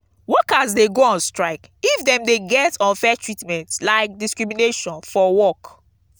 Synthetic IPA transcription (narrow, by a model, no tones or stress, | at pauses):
wɔkazdeɡoãnstɹaɪkifdɛ̃mdeɡɛtɔ̃nfɛtʰɹitmɛ̃ntlaɪk̚diskɹimineʃɔ̃nfɔwɔk